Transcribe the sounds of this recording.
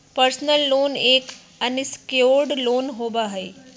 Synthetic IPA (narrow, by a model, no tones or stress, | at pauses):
pəɾsnəlːoːneːk | ənɪskjoːɾɖloːnɦoːbaɦəi